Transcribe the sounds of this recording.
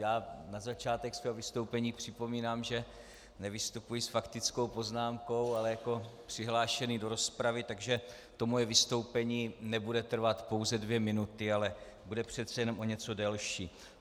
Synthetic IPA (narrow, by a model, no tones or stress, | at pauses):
jaːnazat͡ʃaːt̪ɛksvɛːɦovɪst̪o̞wpɛɲiːpr̝̥ɪpo̞miːnaːmʒɛ | nɛvɪst̪upujɪsfakt̪ɪt͡sko̞wpo̞znaːmko̞walɛjako̞pr̝̥ɪɦlaːʃɛnido̞ɾo̞spɾavɪt̪aɡʒɛ | t̪o̞mojɛvɪst̪o̞wpɛɲiːnɛbudɛt̪r̩vat̪po̞wzɛdvjɛmɪnut̪ɪalɛ | budɛpr̝̥ɛt̪t͡sɛjɛno̞mʔo̞ɲɛt͡so̞dɛlʃiː